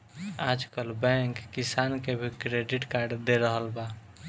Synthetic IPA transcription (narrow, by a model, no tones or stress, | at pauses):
ad͡ʒkəlbɛ̃ŋkːisankebʱikɾeɖiʈkaɾɖd̪eɾəɦəlba